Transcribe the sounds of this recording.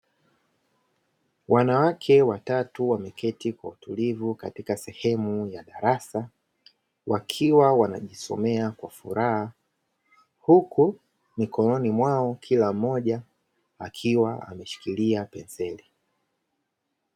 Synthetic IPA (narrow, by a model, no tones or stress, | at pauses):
wʔanawakʰɛwatatuwamɛkʰɛtikwautulivukatikasɛhɛmujaɗaɾasa | wʔakʰiwawana̰ʄisɔ̰mɛakwafuɾaha | huku | mikɔnɔnimwaɔkʰilam̩mːɔʄa | akʰiwaa̰mɛʃi̥kiliapɛnzɛli